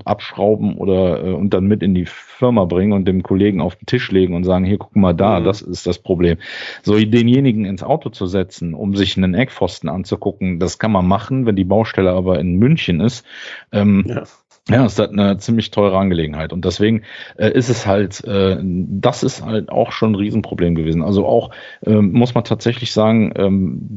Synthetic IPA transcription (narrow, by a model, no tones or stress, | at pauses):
ʔa̰pʃʁ̥aʊbm̩ʔo̰ːdɐʔɛ̰ːʊnt̚d̥anmɪtɪndiːfɪɐmabʁɪŋənʊntd̥eːmkʰoleːɡŋ̩a̰ʊfd̥entʰɪʃleːɡŋ̩ʊntz̥aːɡŋ̩hiːɐkʰʊ̥kmaːldaːdasɪst̚d̥aspʁ̥obleːmzoːdeːnjeːnɪɡŋ̩ɪnsʔa̰ʊtʰot͡suzɛt͡sn̩ʊ̰mzɪçnənʔɛkfɔstn̩ʔa̰nt͡sukʰʊkŋ̩daskʰanmanmaχn̩vɛndiːbaʊʃtɛləaːbɐɪnmʏnçənɪstʔɛːm | jaːɪstatnət͡siːmlɪçtʰɔʏʁ̞əanɡəleːɡŋ̩haɪtʊnt̚d̥ɛsv̥eːɡŋ̩ʔɛːʔɪstɛshaltʔɛːdasɪstha̰lta̰ʊxʃoːnʁiːzn̩pʁ̥obleːmɡəveːzn̩ʔalzoʔa̰ʊx | ʔɛːmmʊsmantʰaːtz̥ɛçlɪçz̥aːɡŋ̩ʔɛ̰ːm